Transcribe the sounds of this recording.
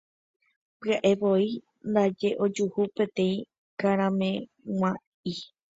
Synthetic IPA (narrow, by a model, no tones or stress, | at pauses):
pɨaʔe̞ʋo̞i | nd̪ad͡ʒe̞ʔo̞d͡ʒuhupẽt̪ẽ̞ĩ | kaɾ̃ãmẽ̞ | ŋʷã | i